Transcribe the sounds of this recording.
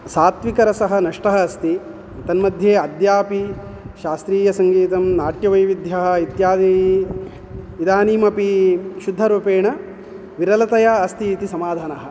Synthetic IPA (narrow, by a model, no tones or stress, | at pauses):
saːt̪ʋikɐɾɐsɐɦɐ̆nɐʂʈɐɦɐːst̪i | t̪ɐnmɐd̪ʱjeːɐd̪jaːpiʃaːst̪ɾiːjɐsɐŋɡiːt̪ɐmnaːʈjɐʋɐjʋid̪ʱjɐɦɐ̆it̪jaːd̪i | ʋid̪aːniːmɐpiʃud̪ʱːɐɾuːpeːɳɐ | ʋiɾɐlɐt̪ɐjaɐst̪iːt̪isɐmaːd̪ʱaːnɐɦɐ̆